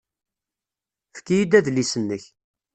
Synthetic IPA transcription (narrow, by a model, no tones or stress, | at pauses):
fkːijid̪æðlisənːəç